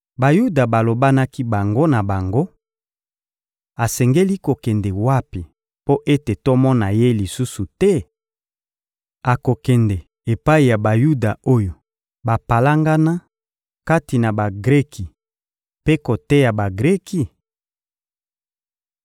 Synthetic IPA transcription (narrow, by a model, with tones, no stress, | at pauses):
ba˨ju˦da˨ba˨lo˨ba˦na˦ki˦ba˨ŋɡo˦na˨ba˨ŋɡo˦ | a˨sɛ˨ŋɡe˦li˦ko˨kɛ˨nde˨wa˦pi˨ | po˦ʔe˦te˨to˦mɔ˦na˨je˦li˨su˦su˨tɛ˦ | a˨ko˨kɛ˨ndɛ˨ | e˨pa˦i˨ja˨ba˨ju˦da˨o˦jo˨ | ba˨pa˨la˦ŋɡa˦na˦ | ka˦ti˨na˨ba˨ɡʁɛ˦kʰi˨ | pe˦ko˨tɛ˦ja˨ba˨ɡʁɛ˦ki˨